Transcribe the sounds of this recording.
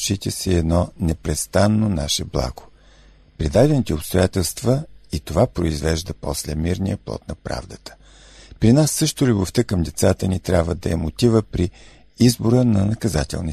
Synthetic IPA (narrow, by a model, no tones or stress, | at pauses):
ʃit̪ɛsiɛd̪nɔnɛpɾɛst̪anːonaʃɛblˠa̰ɡ̥o̥ | pɾid̪ad̪ɛnit̪ɛopst̪ojat̪ɛlˠst̪vəit̪ovapɾoizvɛʒd̪əpɔslɛmiɾnijəplˠɔ̰t̪nɐpɾa̰vd̪ət̪ə̥ | pɾinasːɤʃt̪olʲuboft̪əkəmd̪ɛt̪sat̪ənit̪ɾʲjabvəd̪ɐɛmot̪ivəpɾi | izboɾənɐnɐkɐzat̪ɛ̰lˠni